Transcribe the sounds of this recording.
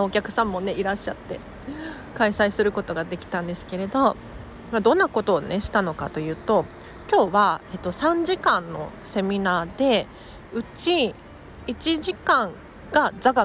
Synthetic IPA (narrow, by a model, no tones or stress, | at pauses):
okʲakɯ̟̥sãmːo̞ne̞iɾaɕːat̪ːe̞ | kaisaisɨɾɯ̟ko̞t̪o̞ɡad̪e̞kʲi̥t̪ãnd̪e̞sɨ̥ke̞ɾe̞d̪o̞ | mad̪õ̞nːako̞t̪o̞ːne̞ɕi̥t̪ano̞kat̪o̞jɯ̟ːt̪o̞ | kʲo̞ːβae̞t̪ːo̞sãɲ̟d͡ʑikãnːo̞se̞mʲinaːd̪e̞ | ɯ̟t͡ɕi | it͡ɕiʑikãŋ | ɡ̥azaɡa